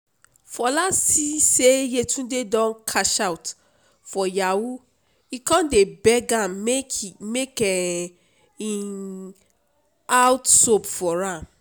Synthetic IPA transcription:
fɔlasisejetʰũdedɔ̃nkʰaʃawt | fɔjawu | ikɔ̃ndebɛɡãmemekɛ | in | awtsopfɔɹãm

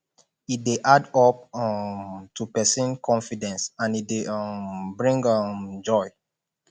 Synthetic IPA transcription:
it̚deʔadɔp̚ | tʰupɛsĩnkʰɔ̃nfidɛ̃nsãnit̚deʔbɹĩŋɡʌmd͡ʒɔɪ

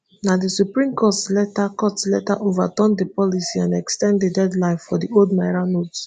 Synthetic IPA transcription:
nadisupɹĩmkɔtlɛtakɔtletaʔovatɔ̃ndepɔlisiãnɛkstɛ̃nddedɛdlãɪ̃nfɔdioldmaɪɹanots

